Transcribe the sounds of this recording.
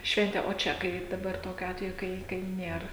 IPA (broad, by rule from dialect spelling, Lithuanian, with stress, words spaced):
ˈʃʲʋʲɛnʲtʲeː oː ˈt͡ʃʲɛ ˈkɐɪp dɐˈbɐr ˈtoːkʲʊ ˈɑːtʲʋʲɛjʊ ˈkɐɪ ˈkɐɪ ˈnʲeːr